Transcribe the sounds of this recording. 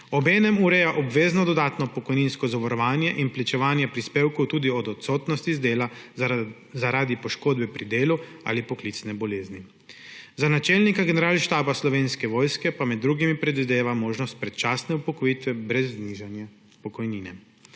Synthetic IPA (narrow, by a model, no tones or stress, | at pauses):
ɔbɛːnɛmuɾɛjaʔɔbʋeːznɔd̪ɔd̪aːt̪nɔpɔkɔjninskɔzɔʋɔɾɔʋaːnjɛʔinplit͡ʃɛʋaːnjɛpɾispeːwkɔwt̪uːd̪iɔd̪ɔt̪soːt̪nɔst̪izd̪eːla | zaɾaːd̪ipɔʃkoːd̪bɛpɾid̪eːlu | a̰ːlipɔklit̪snɛbɔleːzni | zanat͡ʃɛlnikaɡɛnɛɾaːlʃt̪aːbaslɔʋeːnskɛʋɔːjskɛpamɛd̪ːɾuːɡimipɾɛd̪ʋid̪eːʋamoːʒnɔst̪̚pɾɛt̪t͡ʃaːsnɛupɔkɔjit̪ʋɛbɾɛzːniʒanja | pɔkɔjniːnɛ